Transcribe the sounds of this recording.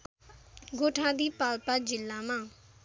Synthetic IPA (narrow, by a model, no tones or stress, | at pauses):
ɡoːʈʰãːd̪iːpaːlpaːd͡ʒɪlːãːmãː